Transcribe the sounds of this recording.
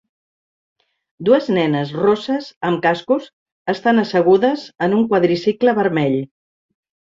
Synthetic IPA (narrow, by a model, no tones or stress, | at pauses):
d̪uəznɛnəzrosəzəmkaskus | əst̪anəsəɣ̞uðəzənuŋkwaðɾisikləβəɾmɛʎ